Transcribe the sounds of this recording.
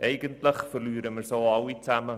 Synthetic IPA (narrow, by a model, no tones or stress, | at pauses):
ʔeɪɡəntləχfərlyːɾəmərsɐlˠɐwitæmə